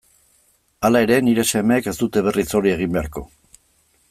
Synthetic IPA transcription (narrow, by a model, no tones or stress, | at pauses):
alae̞ɾe̞niɾe̞se̞meːke̞zt̪ut̪e̞β̞e̞rit͡so̞ɾie̞ɣ̞imbe̞aɾko̞̰